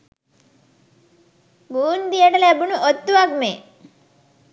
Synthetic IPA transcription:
ɡuːnd̪ijəʈəlæbunuʔot̪ːuʋakme

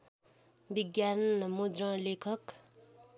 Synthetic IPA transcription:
biɡjanmud̪rʌ̃lekʰʌk

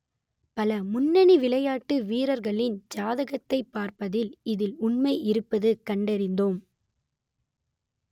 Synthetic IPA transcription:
pɐlɐmʊnːɐɳiʋɪɭɐjaːʈːɯʋiːɾɐɾɣɐɭɪnd͡ʒaːðɐɣɐt̪ːɐɪpːaːɾpɐðɪlɪðɪlʊɳmɐɪʔɪɾɯpːɐðɯkɐɳɖɐɾɪnd̪oːm

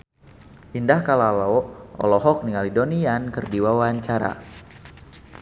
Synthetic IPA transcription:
ʔindahkalalɔɔ̰lɔɦɔk̚niŋalidoniankərdiwawaaɲt͡ʃaɾa̰

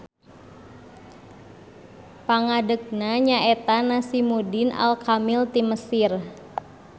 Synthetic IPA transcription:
paŋadək̚naɲaʔet̪anasimudɪna̰lkamɪlt̪iməsɪr

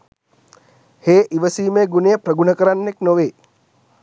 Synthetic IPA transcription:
heːʔiʋəsiːmeːɡunejəpɾəɡunəkəɾanːeknoʋeː

